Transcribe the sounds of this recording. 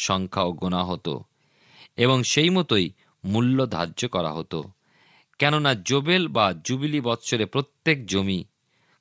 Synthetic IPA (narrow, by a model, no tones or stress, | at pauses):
ʃɔŋkʰaoɡonaɦot̪o̰ | eβoŋʃejmɔt̪oj | mulːod̪ʱa̰ɾd͡ʑokɔɾa̰ɦot̪o̰ | kɛnonad͡ʑobelbad͡ʑubilibɔt̪ːɕʰoɾepɾot̪ːek̚d͡ʑomi